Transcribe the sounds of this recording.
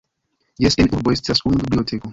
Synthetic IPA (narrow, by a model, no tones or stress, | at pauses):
jesenʔuɾboest̪asunubibliotʰeko